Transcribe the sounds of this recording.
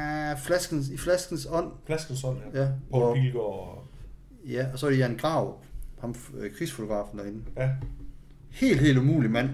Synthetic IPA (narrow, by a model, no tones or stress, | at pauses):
flæsɡ̥n̩siflæsɡ̥n̩sɒ̽n̰flæsɡ̥n̩sɔn̰jæpɒilɡ̥ɔ | jæɒ̽sɒɾejænɡ̥ʁɑ̈ʊ̰hɑ̈mkʰʁisfo̝t͡sʰo̝ɡ̥ʁɑ̰̈ːfn̩d̥ɐe̝n̩ | he̝̰ːld̥he̝̰ːldumṵːlimæn̰